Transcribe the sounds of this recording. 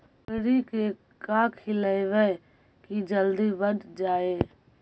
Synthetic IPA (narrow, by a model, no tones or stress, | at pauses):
pɪɾike | kaːkʰɪləeʋe | kid͡ʒəld̪ibəd̪d͡ʒaːeː